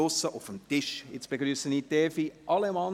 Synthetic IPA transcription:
osəʔʊfəmtɪʃjɪt͡sb̥eɡɾyːsəniːtɛːfiʔɑlemɑːl

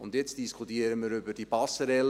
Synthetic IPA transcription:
ʊndjɛt͡sd̥iskʰutiəɾəməɾʏbədibɑsəɾɛl

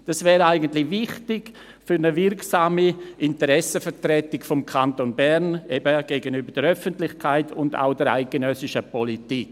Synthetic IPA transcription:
d̥asvɛːɾaɪɡəntlɪvɪχtɪɡ̥ | fʏɾnəvɪɾksaːmiʔɪntəɾɛsəfəɾtɾɛtɪkfɔmkʰantonbɛɾnebəɡ̥eɡənybəɾdɛɾœfəntlɪçkʰaɪtʰʊnda̰ʊdɛɾa̰ɪk̚ɡ̥enœsɪʃəpɔlitik

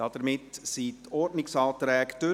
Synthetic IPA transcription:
ɑd̪əɾmɪtsit̪ʰɔɾdnɪksɑːt̪ɾɛːkt̪ø

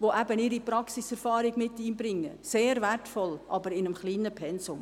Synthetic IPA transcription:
ʋoʔæbənɪɾipɾɑksisɛɾfɑːɾɪɡmɪtːiːnbɾɪŋːəseːɾværtfɔlʔɑbəɾɪnəmχliːnəpʰɛnsʊm

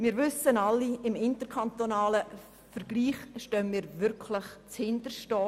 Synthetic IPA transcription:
mɪːɾʋʏsənɑlːiɪmɪntəɾkʰant̪onɑːlə | fəɾɡ̥liːχʃtœnmiːɾʋʏɾkʰlɪχt͡shɪndəɾʃtɔː

